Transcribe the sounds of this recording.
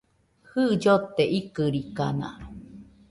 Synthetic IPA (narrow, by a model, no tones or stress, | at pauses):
hɨd͡ʒot̪ːeʔikɨɾikana̰